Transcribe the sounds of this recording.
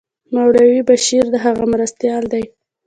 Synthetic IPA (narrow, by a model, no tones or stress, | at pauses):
mawɽawibaʃiɾd̪əɦaɣamɾast̪jɑld̪aj